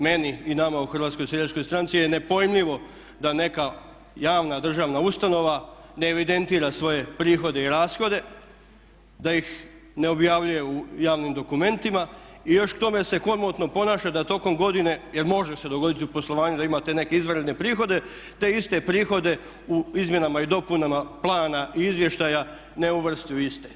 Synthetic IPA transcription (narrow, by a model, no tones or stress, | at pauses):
me̞niinamauxr̩ʋaːt̪sko̞jseesʃko̞jst̪ɾant̪sijene̞po̞jimʎiʋo̞ | d̪ane̞ka | jaːʋnad̪r̩ʒaːʋnaust̪ano̞ʋaneːʋid̪e̞nt̪iːɾasʋo̞je̞pɾiːxo̞d̪e̞iɾaːsxo̞d̪e̞ | d̪ajix | ne̞o̞bjaːʋʎuje̞ujaːʋnimd̪o̞kume̞nt̪imaijo̞ʃkt̪o̞me̞se̞xo̞ɾmot̪no̞po̞naːʃad̪at̪o̞ko̞mɡo̞d̪ine̞je̞ɾmo̞ʒese̞d̪o̞ɡo̞d̪it̪iupo̞slˠo̞ʋaːɲud̪aimat̪e̞ne̞keizʋɾed̪ne̞pɾiːxo̞d̪e̞ | t̪e̞ist̪e̞pɾiːxo̞d̪e̞ | uizmje̞namaid̪o̞punamaplˠaːnaʔiizʋje̞ʃt̪aja | ne̞uʋr̩st̪iuist̪e